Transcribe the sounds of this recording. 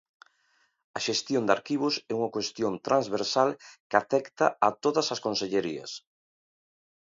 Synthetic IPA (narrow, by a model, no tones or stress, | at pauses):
ɐʃest̪jond̪aɾkiβʊsɛuŋɐkwest̪jont̪ɾanzβeɾsalkafɛkt̪ɐɐt̪oðɐsɐskonseʎeɾiɐ̰s